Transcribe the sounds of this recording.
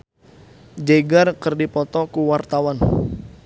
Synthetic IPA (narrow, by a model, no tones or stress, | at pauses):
d͡ʒeɡarkərdipɔt̪ɔkuwart̪awan